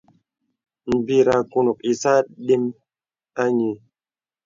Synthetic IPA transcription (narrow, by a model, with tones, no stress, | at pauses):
m̩˨bi˦ɾa˧ku˦nu˨k̚i˨sa˦ɗi˦m | a˦ɲi˨